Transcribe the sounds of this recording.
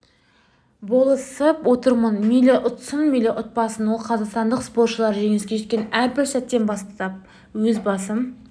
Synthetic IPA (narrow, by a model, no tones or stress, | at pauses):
bo̞lˠəsəpwo̞t̪əɾmənmijlʲeʔʊt̪sənmilʲeʔʊt̪̚pɑsənwo̞lˠqʰɑzɑqst̪ɑnd̪əqspo̞t̪ʃəlˠɑɾʒe̞ŋeskʲe̞ʒekʲenæɾbɪɾsæt̪ːe̞nbɑst̪t̪ɑp̚ | wɵzbɑsəm